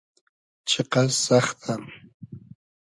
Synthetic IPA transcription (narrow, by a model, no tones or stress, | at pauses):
t͡ʃʰeqɑsɑχt̪ʰam